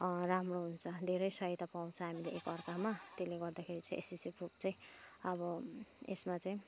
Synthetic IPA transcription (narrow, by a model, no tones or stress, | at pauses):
ramroɦunt͡sʰʌd̪ʱeɾʌjsʌɦet̪apaw̃t͡sʰʌɦamileʔekʌrkamat̪eleɡʌrd̪akʰeɾit͡sʌj̃ʔḛsisiprup̚t͡saj̃ | ʌbʌḛsmat͡saĩ